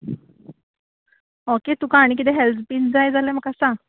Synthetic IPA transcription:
oket̪ukaːɽ̃ik̬it̪eɦɛlt̪piːnd͡zajd͡zalem̤əkasa

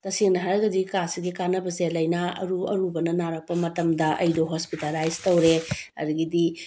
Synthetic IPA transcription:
tɐsiŋnɐɦaɾɐɡɐdikasiɡikanɐbɐselɐjnɐɐ̰ɾuɐ̰ɾubɐnɐnaɾɐk̚pɐmɐtɐmdɐʔɐ̰jdoɦospitalajztɐwɾeɐ̰duɡidi

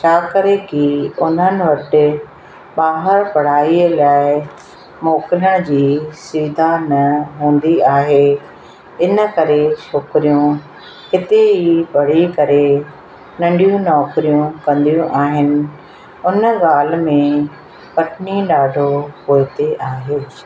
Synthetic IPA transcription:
t͡ɕʰaːkɐɾekiʊn̤ənɪ̆ʋɐʈɪ̆ | ɓaːɦəɾpɐɽ̤aːiːlaːɪ | moːkɪləɽ̃d͡ʑiːsiːd̪ʱanɐɦũːn̆d̪iaːɦe | ɪnə̆kɐɾeʃoːkɾijũ | hɪt̪eɦipɐɽ̤ikɐɾe | nɐ̃ɳɖijũnɔːkɾijũkɐ̃nd̪ijũʔaːɦɪnɪ̆ | ʊnəɠaːlmẽ | pɐʈniɗaːɖʱopoːɪt̪eʔaːɦeː

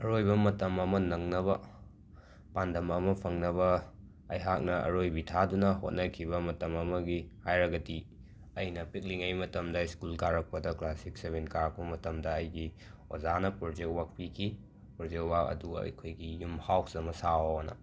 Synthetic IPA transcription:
ɐɾojbɐmɐtɐmɐmɐnɐŋnɐβɐ | pandɐmɐmɐpʰɐŋnɐβɐː | jɦak̚nɐɐ̰ɾojbitʰadunɐɦo̰t̚nɐkʰibɐmɐtɐmɐmɐɡihajɾɐɡɐti | ɐjnɐpik̚liŋɐjmɐtɐmdɐiskulkaɾɐk̚pɐdɐklasik̚seβenkaɾk̚pɐmɐtɐmdɐːjɡi | o̰zanɐpɾod͡ʒek̚wak̚pikʰi | pɾod͡ʒek̚wak̚ɐ̰duɐ̰jkʰojɡijumhawk̚z̥ɐmɐsawnɐ̰

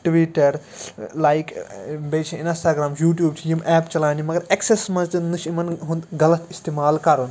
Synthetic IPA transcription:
ʈʋiʈɐɾ | laːjkbeːt͡ʃʰɐ̃insʈaːɡɾaːmjuːʈjuːbt͡ʃʰijimʔɛːpt͡ʃɐlaːnimɐɡɐɾeksesmɐnt̪ɨnɨʃimɐnɦũnd̪ɡɐlɐt̪ʰist̪eːmaːlkɐɾun

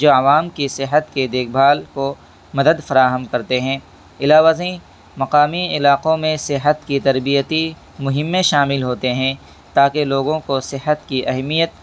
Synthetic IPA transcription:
d͡ʒoːɐʋaːmkisɪɦət̪ked̪eːk̚ʰbʱaːlko | mɐd̪əd̪fɐɾaːɦəmkɐɾt̪eɦɛ̃ː | ɪlaːʋazĩ | mɐqaːmiɪlaːqõmẽsɪɦət̪kit̪ɐɾbijət̪i | mʊɦɪ̃mːẽʃaːmɪlɦoːt̪eɦɛ̃ | t̪aːkeloːɡõkosɪɦət̪kiʔɐɦmijət̪̚

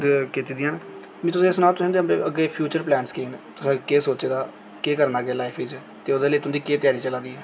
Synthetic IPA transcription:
kɪt̪iːd̪ɪjãːnː | mɛ̃ːt̪ʊsẽːɪsnaːt̪ʊɦẽːnd̪emɾḛːʔəɡːeːpʰjuːt͡ʃəɾplɛ̃ːnskiːnt̪ʊsẽːkeːsoːt͡ʃeːd̪aː | keːkəɾnaːɡeːlaːɪpʰɪd͡ʒ | t̪eːod̪eːləiːt̪ʊ̃ːd̪iːkeːt̪ɪjaːɾiːt͡ʃəlãːd̪iːɛː

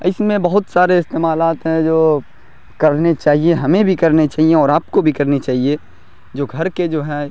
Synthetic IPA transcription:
ɪsmẽbɐɦʊt̪saːɾeɪst̪eːmaːlaːt̪ɦɛ̃d͡ʒoː | kɐɾnet͡ʃaːɦieɦɐmẽbʱikɐɾnet͡ʃaːɦiẽɔːɾaːp̚kobʱikɐɾnit͡ʃaːɦie | d͡ʒoːɡʱɐɾked͡ʒoːɦɛ

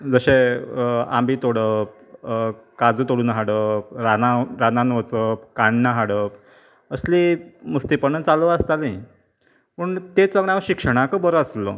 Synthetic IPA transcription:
d͡zəɕe | a̰mbiːt̪oɽəp̚ | kad͡zuːt̪oɽuːnɦaɽəp̚ɾanaɾananʋət͡səp̚kaɳːaɦaɽəp | əsliːməst̪ipəɳət͡salʋəəst̪alei | pəɳt̪et͡səɡɳaʋəɕikʂəɽ̃akəbəɾəslə̰

